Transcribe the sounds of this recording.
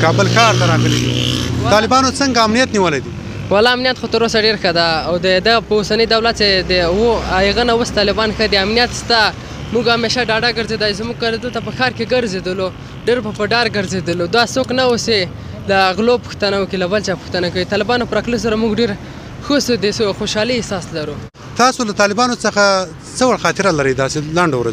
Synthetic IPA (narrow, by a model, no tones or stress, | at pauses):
kɑbəlkɑɾt̪aɾɑɣəled̪ḭt̪ɑlɪbɑnot͡səŋɡaːmnijat̪niwəlajd̪i | walɑamnijat̪xot̪əɾosaɖeɾxəd̪aːwd̪əd̪apəosanəjd̪awlat̪̚t͡ʃed̪əwoajɣənawəst̪ɑlɪbɑnxəd̪iamnijat̪st̪a | muɡameʃaɖɑɖaɡəɾzed̪ajsmuɡ̚kald̪əlt̪apəxɑɾkeɡəɾzed̪əlo | ɖeɾpəpəɖɑɾɡəɾzed̪əlod̪asoknawuse | laɣlopu̥xt̪anawəkilabəlt͡ʃɑpu̥xt̪anakawit̪ɑlɪbɑnopəɾɑkləs̬aɾamuɡɖeɾ | xosəd̪esoxoʃɑliːsɑslaɾu | t̪ɑsolat̪ɑlɪbɑnot͡səxa | t͡səwaɽxɑt̪ɪɾalaɾəjd̪ɑselaɳɖowɾa